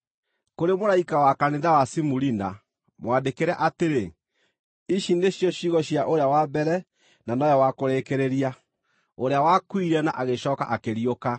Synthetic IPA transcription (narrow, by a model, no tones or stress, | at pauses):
koɾemoɾaikawakaneðawasimuɾina̰ | mwandekeɾɛʔateɾe | iʃindeɕjɔɕiɣɔɕjaʔoɾeawabɛɾɛ | nanɔjɔwakoɾeːkeɾeɾia | oɾeawakwiɾɛnaʔaɣeɕɔːka̰ʔakeɾioka